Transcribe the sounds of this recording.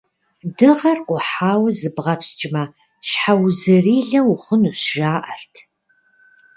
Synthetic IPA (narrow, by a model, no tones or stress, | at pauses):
dɨʁɐrqʷʊħaːwɐzɨbʁɐpst͡ʃʼɪmɐ | ɕħawzɨriːɮɐwʊχʷʊnuɕʒaːʔɐrtʰ